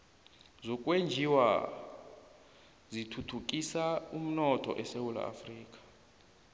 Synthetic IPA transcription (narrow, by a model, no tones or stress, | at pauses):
zɔkʼwend͡ʒʱiwa | zitʰutʰuk̬ʼisaum̩nɔtʰɔ̰ʔɛsewula̰a̰friːkʼḁ